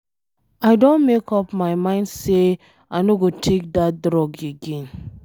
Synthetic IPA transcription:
aɪdõnmekɔpmaɪmãɪ̃ndse | anoɡotʰek̚dat̚dɾɔɡeɡẽn

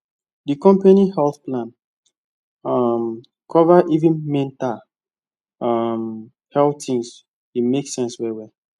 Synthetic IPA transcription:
dəkɔ̃mpanihɛlθplãn | ʌm | kʰɔvaʔivĩnmɛ̃ntal | ʌm | hɛltĩŋs | imeksɛ̃nswɛwɛ

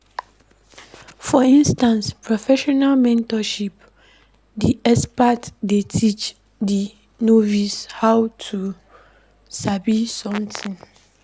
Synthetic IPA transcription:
fɔĩnstãnspʰɹɔfɛʃɔnalmɛ̃ntɔʃip | diʔɛspatdetʰit͡ʃ | di | novishawtʰu | sabisɔ̃mtʰĩŋ

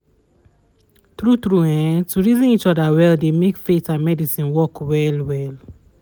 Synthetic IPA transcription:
t̪ɹut̪ɹuɛ̃tuɹizĩnit͡ʃɔdawɛldemekfetãnmɛdisĩnwɔkwɛlwɛl

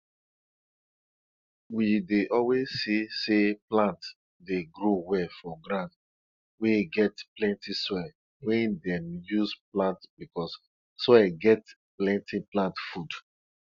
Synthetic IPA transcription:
wideʔɔlwezːiseplãnt | deɡɹowɛfɔɡɾãnd | weɡɛtplɛ̃ntisɔɛ | wɛ̃ndɛ̃mjusplãntbikɔs | sɛɡɛt | plɛ̃ntʰiplãntfud

